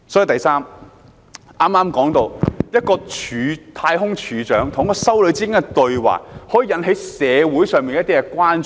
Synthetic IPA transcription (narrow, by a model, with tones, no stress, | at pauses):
sɔ˨˥i˨˧wt̪ɐ˨jsaː˥m | ʔaː˥maː˥mkɔː˨˥ŋt̪o˧wjɐ˥t̚kɔː˧t͡ʃʰyː˨˧t̪ʰaː˧jɦʊ˥ŋt͡ʃʰyː˨˥t͡ʃœː˨˥ŋt̪ʰʊ˨˩ŋkɔː˧sɐ˥wlɵ˨˧ɥt͡siː˥kɪ˥ŋkɛ˧t̪ɵ˨˧ɥwa̰ː˨˩k̚hɔ˨˥jiː˧jɐ˧˥nɦe˨˥jsɛː˨˧wuː˨˥jsœː˨ŋmpi˨nkɛ˦˥t̪iː˥kɛ˧kʷaː˥nt͡ʃ